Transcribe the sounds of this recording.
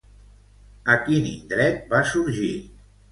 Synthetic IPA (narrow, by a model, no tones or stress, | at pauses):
əkinḭnd̪ɾɛt̪̚basuɾʒi